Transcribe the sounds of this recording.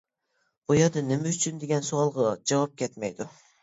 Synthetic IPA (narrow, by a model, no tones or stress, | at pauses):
ujɑd̪ɯnɪmɛyt͡ʃʰynd̪eɡʲɛnsuɑlˠʁɑd͡ʒɑvɑp̚kʲet̪mɛjd̪ʊ